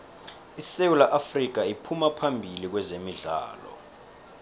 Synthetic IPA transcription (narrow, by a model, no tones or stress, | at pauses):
isewulaʔafrik̬aipʰumapʰambʱilik̬wɛzemiɮa̰ːlɔ̰